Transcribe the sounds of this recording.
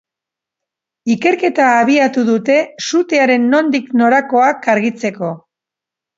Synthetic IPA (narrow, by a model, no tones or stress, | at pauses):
ike̞ɾke̞t̪aːβiat̪uðut̪e̞sut̪e̞aɾe̞nːo̞nd̪ikno̞ɾako̞akaɾɣit͡se̞ko̞